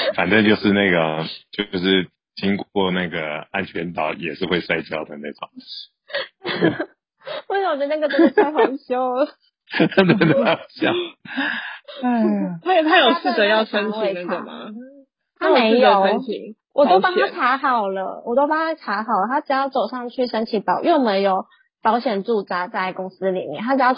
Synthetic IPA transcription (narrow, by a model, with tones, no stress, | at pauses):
fa̰˨˩nt̪i˥˧t͡ɕjo˥˧ʊʂɻ̩˥˧na˥˩ɪɡə˩t͡ɕjo˥˧ʊʂɻ̩˥˩ | t͡ɕi˥ŋkɔ˥˧na˥˩ɡə˩a˥nt͡ɕʰɥɛ˧˥nt̪ɑ˨˩ʊjɛ˨˩ʂɻ̩˥˧xwe˥˧ɪswa˥˧ɪt͡ɕjɑ˥ʊd̪ə˩na˥˩ʈ͡ʂo̰˨˩˦ŋ˥˩ | sa˥˩wɔ˨˩˧na˥˩ɡə˩˥˧a˥ɪxo˧˥ŋɕjo˥ʊ | t̪ə˥˩d̪ə˧˩˥ɕjɑ˥˩˦ | t̪ʰa˥jt̪ʰa˥jo˨˩ʊs̩˥˩t͡sə˧˦jɑ˥˩ʊʂə˥nt͡ɕʰwi˨˧˩ə˨˩mɐ̰˦ | t̪ʰa˥˨me˧˥ɪ˥˧jo˨˩˨t͡ɕʰḭ˨˩ | wʔɔ˨t̪o˥ʊpa˨˦t̪ʰa˥˨˥ʈ͡ʂʰa˧˥xɑ˨˩ʊlə̰˦wɔ˨˩t̪o˥ʊpa˨˩t̪ʰa˥ʈ͡ʂʰa˧˥xɑ˨˩ʊlə˨˩t̪ʰa˥ʈ͡ʂ̩˨˩jɑ˥˩ʊt͡so˨˩ʊʂɑ˥˧ŋt͡ɕʰy˥˩ʂə˥nt͡ɕʰi˧˥pɑ˨˩ʊjʔo˥˩me˧˥ɪjo˨˩ʊ | pɑ˧˥ʊɕjɛ˨˩nʈ͡ʂu˥˩t͡sa˥t͡sa˥˩ɪkʊ˥ŋsɹ̩˥li˨˩mjɛ˥˩˨nʰa˦˥ʈ͡ʂɻ̩˨˩jɑ˥˩ʊ